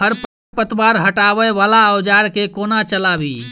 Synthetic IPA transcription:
həɾp | pət̪baɾɦəʈaβəjʋalaəʊd͡ʒaɾkekonat͡ʃəlabi

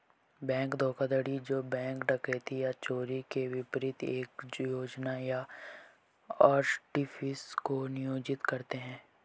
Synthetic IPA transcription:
bɛ̃ːŋkd̪ʱoːkad̪əɽid͡ʒoːbɛ̃ːŋkɖɐket̪ijat͡ʃoːɾikeʋɪpɾɪt̪eːkjoːd͡ʒnaja | ɔːɾʈifɪskonɪjoːd͡ʒɪt̪kɐɾt̪eɦɛ̃ː

